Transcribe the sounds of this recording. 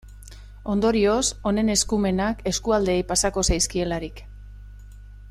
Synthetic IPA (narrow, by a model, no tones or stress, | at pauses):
o̞nd̪o̞ɾio̞so̞ne̞ne̞skume̞nake̞skuald̪e̞ːjpasako̞sajskie̞laɾik